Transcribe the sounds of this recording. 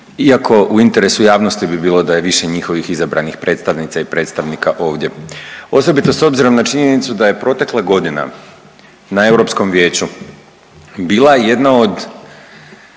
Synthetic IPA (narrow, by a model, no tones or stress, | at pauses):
iako̞ʔuint̪e̞ɾe̞sujaːʋno̞st̪ibibiːlˠo̞d̪aje̞ʋiʃe̞ɲixo̞ʋixizabɾa̰nixpɾe̞ːt̪st̪aʋnit̪saipɾe̞ːt̪st̪aʋnikaʔo̞ːʋd̪ʲje̞o̞so̞bit̪o̞so̞bziɾo̞mnat͡ʃiɲe̞nit̪sud̪aje̞pɾo̞t̪e̞kleɡo̞d̪ina̰ | nae̞wɾo̞psko̞mʋje̞ːt͡ɕu | biːlˠaeje̞d̪nao̞d̪